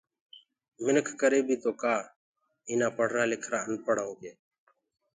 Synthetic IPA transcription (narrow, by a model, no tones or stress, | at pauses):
mɪnəkʰkəɾeːbʱiːt̪oːkaː | iːnaːpəɽ̤ɾaːlɪkʰɾaːənpəɽ̤aːõːkeː